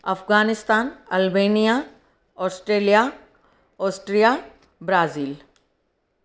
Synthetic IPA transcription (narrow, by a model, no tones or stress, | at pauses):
ɐfɡaːnɪst̪aːnɐlbeːnija | ɔːsʈɾeːlija | ɔːsʈɾija | bɾaːziːl